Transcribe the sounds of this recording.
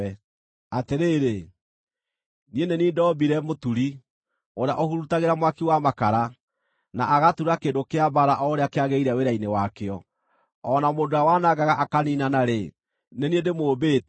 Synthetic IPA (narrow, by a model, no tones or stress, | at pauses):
ɛ | ateɾeːɾe | nieneniːndɔbiɾɛmotuɾi | oɾea̰ʔɔhuɾutaɣeɾamwakiwamakaɾa | na̰ʔaɣatuɾakeːndokeabaɾaʔɔɾeakeaɣeiɾɛweɾainewakeɔ | ɔnamondoawanaɡaɣaʔakaninanaɾe | neniedemoːbeːt